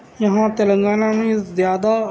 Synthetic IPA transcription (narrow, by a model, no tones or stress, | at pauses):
jəɦãːt̪ələ̃ŋɡaːnãːmẽːzjaːd̪aː